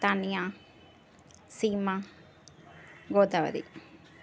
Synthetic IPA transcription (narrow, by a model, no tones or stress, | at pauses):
t̪anja | siːma | ɡoːd̪ɐʋɐ̰ɾḭ